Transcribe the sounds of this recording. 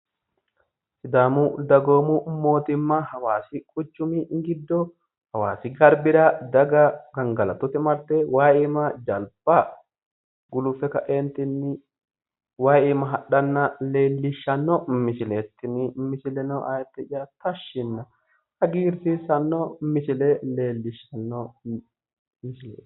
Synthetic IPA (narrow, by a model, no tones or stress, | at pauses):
sɪd̪aːmʊd̪ɐɡo̞ːmʊmo̞ːt̪ɪmːɐhɐwaːsɪkʼʊt͡ʃːʊmɪŋɡɪd̪ːɔ | hɐwa̰ːsɪɡɐɾbɪɾɐd̪ɐɡɐɡɐŋɡɐlɐt̪ɔt̪ɪmɐɾt̪ːɛwaːeːmɐd͡ʒɐlbɐ | ɡʊlʊfɛkɐʔɛnt̪ɪnːɪ | waːiːmɐɦɐɗːɐnːɐle̞ːlːɪʃːɐnːɔmɪsɪleːt̪ːɪnɪmɪsɪlɛnɔʔa̰ːjɛt̪ːɛt͡ʃɪjɐt̪ɐʃːɪnːɐ | hɐɡiːɾsɪsɐnːɔmɪsɪlɛle̞ːlːɪʃːɐnːɔ | mɪsɪlḛ̥ː